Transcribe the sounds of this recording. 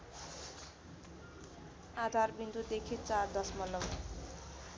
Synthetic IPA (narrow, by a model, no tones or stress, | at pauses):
ad̪ʱarbint̪ud̪ekʰit͡sard̪ʌsmʌlːʌm